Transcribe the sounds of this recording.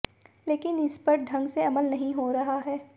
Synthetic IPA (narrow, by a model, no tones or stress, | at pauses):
leːkɪnɪspɐɾɖʱɐ̃ŋɡseɐməlnɐɦĩɦoɾɐɦaɦɛː